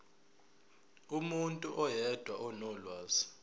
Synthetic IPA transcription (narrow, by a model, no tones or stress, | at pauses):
umuntʼuʔɔjɛd̥ʱwaʔɔnɔlwaːzi̥